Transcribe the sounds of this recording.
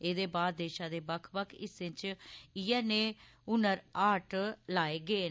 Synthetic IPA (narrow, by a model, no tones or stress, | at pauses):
eːd̪eːbaːd̪̚d̪eːʃãːd̪eːbəkʰbəkʰɪsɪ̃t͡ʃijɛːneː | ʊnəɾaːʈlaːeːɡeː